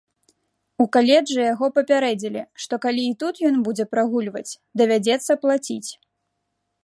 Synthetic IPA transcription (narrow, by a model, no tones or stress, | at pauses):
ukalʲɛd͡ʐɨjaɣɔpɐpʲaɾɛd͡zʲilʲiʂt̪ɔkalʲiːt̪ut̪jɔnbud͡zʲɛpɾaɣulʲvɐt͡sʲ | d̪ɐvʲad͡zʲɛt̪sːɐplˠat͡sʲit͡sʲ